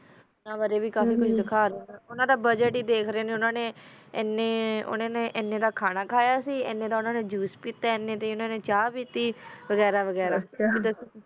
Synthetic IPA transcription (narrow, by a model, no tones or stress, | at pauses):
ʊnãːʋaːɾeːbiːkaːfiːkʊt͡ʃʰd̪ɪkʰaːɾaʊnãːd̪aːbəd͡ʒəʈiːd̪eːkʰɾeːneːʊnãːneː | ɛneːʊ̰nãːneːʔɛnːeːd̪aːkʰaːnaːkʰaːjaːsiːɛ̰nːẽːd̪aːʊnãːneːd͡ʒuːspiːt̪ːaːɛnːẽːt̪eʊnãːneːt͡ʃaːpiːt̪ːiːʋəɡɛːɾaːʋəɡɛːɾaːkit̪ʊs